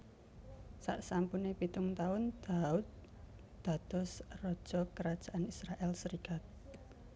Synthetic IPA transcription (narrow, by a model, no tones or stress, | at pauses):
sa̰ʔsampunepit̪ʊŋt̪aʊnd̪̥aut̪̚ | d̪̥a̤t̪ɔsrɔd̥ʒ̥ɔkəɾad̥ʒ̥aʔanisɾaʔɛlsəɾikat̪̚